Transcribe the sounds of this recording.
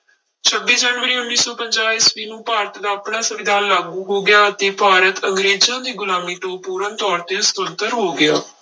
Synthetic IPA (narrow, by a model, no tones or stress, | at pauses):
t͡ʃʰəbːiːd͡ʒɛːnʋəɾiːʊnːiːsɔːpəɲd͡ʒaːisʋiːnũːpaːɾət̪d̪aːapɳãːsəʋɪd̪ʱaːnlaːɡuːɦoːɡɪjaːət̪eːpaːɾət̪əŋɡɾeːd͡ʒãːd̪iːɡʊlaːmiːʈoːpuːɾənt̪ɔːɾt̪eːʊst̪ənt̪əɾɦoːɡɪaː